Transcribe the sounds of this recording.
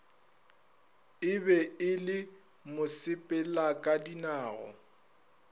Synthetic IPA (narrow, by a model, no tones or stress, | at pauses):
ɪbɛɪlɪ | mʊsɪpʼɛlakʼadinaːɣɔ̰